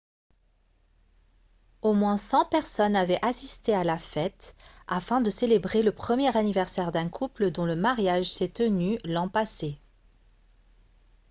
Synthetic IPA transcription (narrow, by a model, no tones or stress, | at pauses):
omwɛ̃sɑ̃pɛʁsɔnavɛʔasist̪ealafɛt̪afɛ̃d̪əselebʁeləpχəmjɛʁanivɛʁsɛʁd̪ɛ̃kʰupləd̪ɔ̃ləmaʁjaʒsɛt̪ənylɑ̃pase